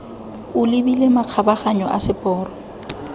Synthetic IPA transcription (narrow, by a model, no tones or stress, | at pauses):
ʊlɪbilemaq͡χʰabaχaɲɔʔa̰sɪpʼɔːrɔ